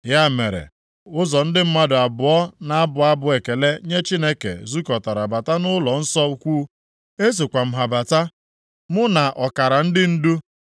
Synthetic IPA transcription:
ja˦me˨ɾḛ˨ | ʊ˦zɔ˨n̩˦dɪ˦m̩˦ma˦dʊ˨a˨bʊ˨ɔ˦na˨a˦bʊ˨a˦bʊ˨e˨ke˨le˦ɲe˦t͡ʃi˦ne˦kḛ˨zu˦kɔ˨ta˨ɾa˨ba˨ta˦nʊ˦lɔ˨n̩˦sɔ˦u˦kʷuː˦ | e˦s̬e˨kʷa˨m̩˦ɦa˨ba˨ta˦ | mʊ˦na˨ʔɔ˨ka˨ɾa˨n̩˦dɪ˦n̩˦du˦

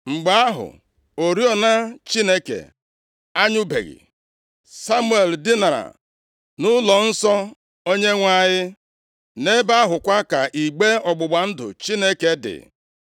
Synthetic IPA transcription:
ŋ͡m̩˨ɡ͡ba˦a˦ɦʊ̰˨ | o˨ɾi˦ɔ˨na˦t͡ʃi˦ne˦kḛ˨ | a˦ɲʊ˦bḛ˨ɣḭ˨ | sa˦mu˦e˨ldɪ˦na˨ɾa̰˨ | nʊ˦lɔ˨n̩˦sɔ˦ | o˦ɲe˦ŋʷa˦ɲɪ˦ | ne˦ba˦ɦʊ˨kʷa˦ka˨ʔi˨ɡ͡be˦ɔ˨ɡ͡bʊ˨ɡ͡ba˨n̩˦dʊ̰˨t͡ʃi˦ne˦ke˨dɪ̰˨

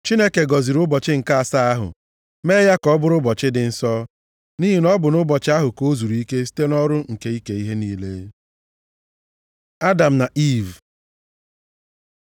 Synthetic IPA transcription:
t͡ʃi˦ne˦ke˨ɡɔ˨zi˨ɾʊ˦bɔ˨t͡ʃɪ˦ŋ̩˨ka˦a˨sa˦a˦ɦʊ̰˨ | me˦ja˦kɔ˦bʊ˦ɾʊ˦bɔ˨t͡ʃɪ˦dɪ˨n̩˨sɔ˦ | ni˦ɦi˨nɔ˦bʊ˨nʊ˦bɔ˨t͡ʃɪ˦a˦ɦʊ˨ko˦zu˨ɾi˦ke˦s̬i̥˦te˦nɔ˦ɾʊ˦ŋ̩˨ke˨i˦ke˨i˦ɦe˦niː˦le˦ | a˦da˨m̩˨na˨ʔi˦˨v

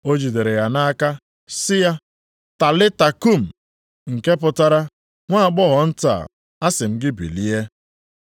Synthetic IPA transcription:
o˦d͡ʒi˨de˨ɾe˨ja˨na˦ka˦ | sɪ˦ja˦ | ta˨lɪ˦ta˨ku˦˨m̩˨ | ŋ̩˨ke˦pʊ˨ta˦ɾa˦ | ŋʷa˦˨ɡ͡bɔ˦ɦɔ˨n̩˦ta̰˨ | a˦sɪ˨m̩˦ɡɪ˦bḭ˨li˦e˦

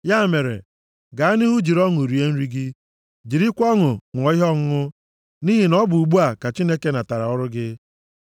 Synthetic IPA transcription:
ja˦˨me˨ɾḛ˨ | ɡa˨a˦nɪ˦ɦʊ˦d͡ʒi˨ɾɔ˦ŋʊ˨ɾi˨e˦n̩˦ɾi˦ɡɪ˦ | d͡ʒi˨ɾi˦kʷɔ˦ŋʊ˨ŋʷɔ˨˦ɦɔ˦ŋ̩˦ʊ˦ | ni˦ɦi˨nɔ˦bʊ˨u˨ɡ͡bu˦a˨ka˨t͡ʃi˦ne˦ke˦na˨ta˨ɾa˨ɔ˦ɾʊ˦ɡɪ˦

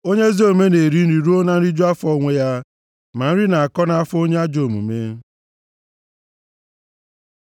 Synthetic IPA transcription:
o˦ɲe˦zi˦o˨me˦ne˨ɾi˨˦n̩˦ɾi˨ɾu˦o˦na˦n̩˦i˦d͡ʒo˦a˦fɔ˦˨ŋʷe˦ja˦ | ma˨n̩˦ɾi˦na˨a˨kɔ˦na˦a˦fo˦ɲe˦a˦d͡ʒo˨mṵ˨me˦

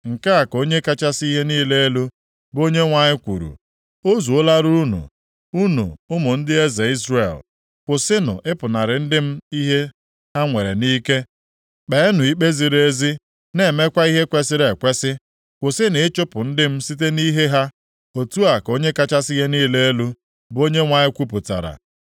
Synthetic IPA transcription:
ŋ̩˨ka˦a˨ko˦ɲe˦ka˦t͡ʃa˦si˦ɦe˦niː˦le˦e˦lu˦ | bo˦ɲe˦ŋʷa˨ɲɪ˦kʷṵ˨ɾṵ˨ | o˦zu˨o˦la˦ɾu˦nṵ˨ | u˦nṵ˨ʊ˦mʊ˨n̩˦dɪ˦e˦ze˨i˦zrḛ˨l | kʷʊ˨sɪ˦nʊ̰˨ʔɪ˦pʊ˨na˨ɾɪ˨n̩˦dɪ˦m̩˦i˦ɦe˦ | ɦa˦ŋʷe˨ɾḛ˨niː˦ke˦ | k͡pe˨˦nʊ˨i˦k͡pe˦zi˨ɾe˦zi˦ | ne˨me˦kʷa˦i˦ɦe˦kʷe˦sɪ˦ɾe˨kʷe˦sɪ˦ | kʷʊ˨sɪ˦nɪ˨ɪ˦t͡ʃʊ˦pʊ˨n̩˦dɪ˦m̩˦si˦t̬e˦ni˦ɦe˦ɦa˦ | o˨tu˦a˨ko˦ɲe˦ka˦t͡ʃa˦sɪ˦ɣe˦niː˦le˦e˦lu˦ | bo˦ɲe˦ŋʷa˨ɲɪ˦kʷu˦p̬ʊ˨ta̰˨ɾa̰˨

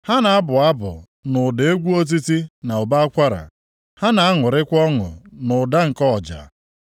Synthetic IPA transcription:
ha˦na˨a˦bʊ˨a˦bʊ̰˨ | nʊ˨de˨e˦ɡʷu˦o˦t̬i˦ti˦na˨ʊ˨ba˦a˦kʷa˦ɾa̰˨ | ha˦na˨a˦ŋʊ˨ɾɪ˦kʷɔ˦ŋʊ̰˨nʊ˨da˦ŋ̩˨kɔ˦˨d͡ʒa̰˨

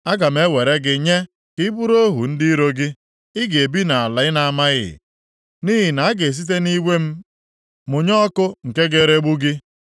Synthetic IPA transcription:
a˦ɡa˨m̩˦e˦we˨ɾe˦ɡɪ˨ɲe˦ | kɪ˦bu˦ɾo˦ɦṵ˨n̩˦dɪ˦i˦ɾo˦ɡɪ˦ | ɪ˦ɡe˨bi˦na˨a˨la˨ɪ˦na˨a˨ma˦ɣɪ̰˨ | ni˦ɦi˨na˨a˦ɡe˨s̬i˦t̬e˦ni˦wʷe˦m̩˦ | mʊ˨ɲɔ˦kʊ˦ŋ̩˨ke˦ɡe˦ɾe˦ɡ͡bu˦ɡɪ˦

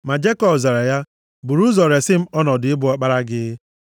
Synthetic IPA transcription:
ma˨d͡ʒe˦kɔ˦bza˨ɾa˨ja˦ | bu˨ɾu˦zɔ˨ɾe˨sɪ˦m̩˦ɔ˦nɔ˨dɪ˨ɪ˦bʊ˨a˦k͡pa˦ɾa˦ɡɪ˦

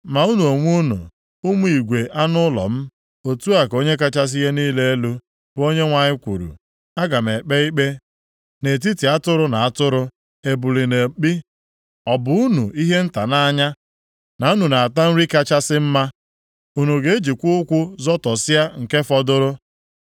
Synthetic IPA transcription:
ma˨u˦nu˨o˨ŋʷu˦nṵ˨ | u˦mu˦i˨ɡʷe˨ʔa˦nʊ˦lɔ̰˨m̩˦ | o˨tu˦a˨ko˦ɲe˦ka˦t͡ʃa˦s̬i˦je˦niː˦le˦e˦lu˦ | bo˦ɲe˦ŋʷa˨ɲɪ˦kʷṵ˨ɾṵ˨ | a˦ɡa˨m̩˨e˨k͡pe˦i˦k͡pe˦ | ne˨t̬i˦ti˨a˦tʊ˦ɾʊ˦na˨a˦tʊ˦ɾʊ˦ | e˨bu˨li˨ne˨k͡pi˦ | ɔ˨bʊ˨˦u˦nṵ˨i˦ɦe˦n̩˦ta˨na˦ɲa˦ | na˨u˦nu˨na˨a˨ta˦n̩˦ɾi˦ka˦t͡ʃa˦sɪ˦m̩˦ma˦ | u˦nu˨ɡe˦e˦d͡ʒi˨kʷʊ˦ʊ˦kʷʊ˦zɔ˦tɔ˨si˦a˦ŋ̩˨ke˦fɔ˦dʊ˦ɾʊ˦

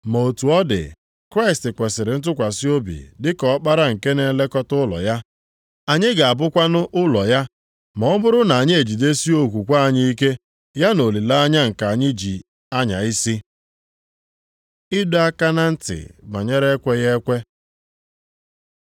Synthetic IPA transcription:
mo˨o˨tu˨ɔ˦dɪ̰˨ | kɾa˦ɪ˨stɪ˨kʷe˨sɪ˨ɾɪ˨n̩˦t̬ʊ˦kʷa˨si˦o˦bḭ˨dɪ˦kɔ˦k͡pa˦ɾa˦ŋ̩˨ke˦ne˨˦le˦kɔ˦tʊ˦lɔ̰˨ja˦ | a˨ɲɪ˦ɡa˨a˨bʊ˦kʷa˦nʊ˦ʔʊ˦lɔ˨ja˦ | mɔ˨ɔ˦mʊ˦ɾʊ˦na˨a˨ɲɪ˦e˨d͡ʒi˨de˦si˦o˦kʷu˨kʷa˦a˨ɲɪ˦i˦ke˦ | ja˦no˨li˨la˦a˦ɲa˦ŋ̩˨ka˨a˨ɲɪ˦d͡ʒi˨ | a˦ɲa̰˨ɪ˦si˦ | ɪ˦dʊ˦a˦ka˦na˦n̩˦tɪ̰˨ba̰˨ɲe˦ɾe˦kʷe˦ɣe˦kʷe˦

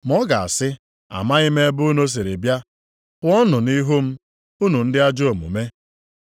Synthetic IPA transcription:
m˨ɔ˦ɡa˨a̰˨sɪ˦ | a̰˨ma˦ɣɪ˦me˦bʊ˦no˦s̬e˨ɾe˨bja˦ | kʊ˦ɔ˦nʊ˨ni˦ɦu˦m̩˦ | u˦nu˨n̩˦dɪ˦a˦d͡ʒo˨mṵ˨me˦

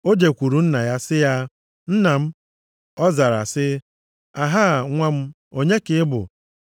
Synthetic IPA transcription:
o˦d͡ʒe˨kʷu˨ɾu˨n̩˦na˨ja˦sɪ˦ja˦ | n̩˦na˨m̩˦ | ɔ˦za˨ɾa̰˨sɪ˦ | a˨ɦa˦˨ŋʷa˦m̩˦ | o˦ɲe˦kɪ˦ɪ˦bʊ̰˨

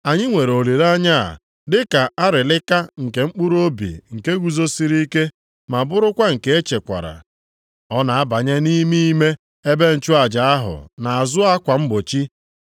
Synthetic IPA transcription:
a˨ɲɪ˦ŋʷe˨ɾo˨li˨ɾa˦ɲa̰˦˨ | dɪ˦ka˨a˦ɾɪ˨lɪ˦ka˦ŋ̩˨ke˨ŋ͡m̩˦k͡pu˦ɾo˦bḭ˨ŋ̩˨ke˦ɡʷu˨zo˦si˦ɾi˦ke˦ | ma˨bʊ˦ɾʊ˦kʷa˦ŋ̩˨ke˦e˦t͡ʃe˨kʷa̰˨ɾa̰˨ | ɔ˦na˨a˦ba˨ɲe˦ni˦mi˦me˦ | e˦be˦n̩˨t͡ʃʊ˦a˨d͡ʒa˨a˦ɦʊ̰˨na˨a˨zʊ˦a˦kʷa˨m̩˦bo˨t͡ʃi˦

